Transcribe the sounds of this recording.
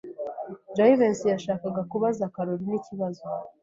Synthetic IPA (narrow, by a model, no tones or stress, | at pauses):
d͡ʒajivensjaʃaːkaɡakuβazakaɾoɾiniciβazo